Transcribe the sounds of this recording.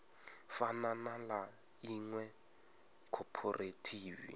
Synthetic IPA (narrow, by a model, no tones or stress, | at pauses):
fananala | iŋwɛ | kʰɔpʰɔrʔetʰiːvḭ